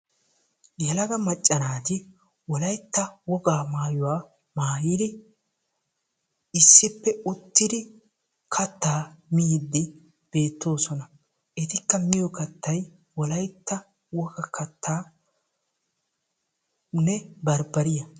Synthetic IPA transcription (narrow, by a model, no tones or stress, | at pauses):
jɛlɐɡɐmɐt͡ʃʼːɐnaːt̪ɪ | wɔlɐjt̪ːɐwɔɡaːmaːjʊwaː | maːjɪd̪ɪ | ɪsːɪpːɛʊt̪ːɪd̪ɪ | kʰɐt̪ːaːmijd̪ːɪ | b̥e̞ːt̪ːo̞ːsɔnɐ | ʔɪt̪ɪkːɐmɪjɔkɐt̪ːɐj | wɔlɐjt̪ːɐ | wɔɡɐkɐt̪ːaː | nɛbɐɾbɐɾɪjɐ